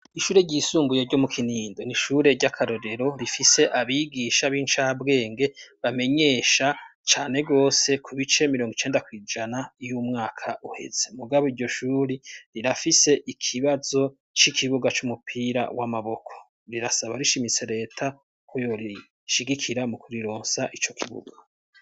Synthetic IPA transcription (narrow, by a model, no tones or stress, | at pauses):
iʃuːɾeɟiːsuːmbujeɾɟo̞mukʰiniːndo̞niʃuːɾe̞ɾɟakʰaɾo̞ɾe̞ɾo̞ɾifise̞ʔaβiɡiʃaβiːnt͡ʃaːbɡe̞ːŋɡe̞βame̞ɲe̞ːʃat͡ʃaːne̞ɡo̞ːse̞kʰuβit͡ʃe̞miɾoŋɡit͡ʃe̞ːndakwiːd͡ʒanajumŋaːkʰaʔuhe̞̰z̥e̞muɡaβoiɾɟo̞ʃuːɾiɾiɾafise̞ʔikʰiβazo̞ | t͡ʃikʰiβuɡat͡ʃumupʰiɾa̰wamaβo̞kʰo̞̥ | ɾiɾasaβaɾiʃimit͡se̞ɾe̞ːtʰa | kʰojo̞ɾi | ʃiɡikʰiɾamukuɾiɾo̞ːnsaʔit͡ʃo̞kʰiβṵɡa